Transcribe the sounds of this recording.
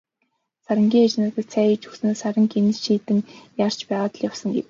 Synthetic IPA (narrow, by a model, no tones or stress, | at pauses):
saɾə̆ŋɡʲiːŋat͡ɕnăːt̪ə̆ɮt͡sʰæːit͡ɕɵksnoːsaɾʲə̆ŋkenɘ̆t͡ɕʃiːt̪ɘ̆ŋjar̥t͡ɕpæːʁaːt̪ə̆ɮjawsə̆ŋɡḛw